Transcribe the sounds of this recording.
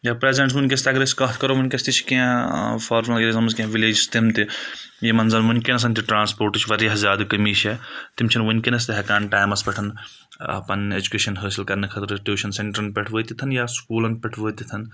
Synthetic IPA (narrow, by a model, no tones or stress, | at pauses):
jaːpɾeːzeɳʈsmunʲkʲest̪ʲɐɡɾeskɐt̪ʰkɐɾoʋunʲkʲɐst̪it͡ʃʰi̥kiãfʰaːɾmɐleɾezɐmskiãʋileːd͡ʒist̪imt̪i | jemɐnzɐlʋunʲkenɐs̬ɐnt̪iʈɾaːnspoːɾʈɨt͡ʃʰʋɐɾjɐɦzʲjaːd̪kɐmiːʃʰet̪imt͡ʃʰɐnʋunʲkinɐs̬t̪iɦɐkaːnʈaːjmɐspʲɛʈʰɐn | ɐ̰pɐned͡ʒukeːʃɐnɦəːsilkɐɾnɐkʰɐt̪ɾsʈuːʃɐnseɳʈɐɾɐnpʲɛʈʰʋəːt̪it̪ʰɐnjaskuːlɐnpʲɛʈʰʋəːt̪it̪ʰɐn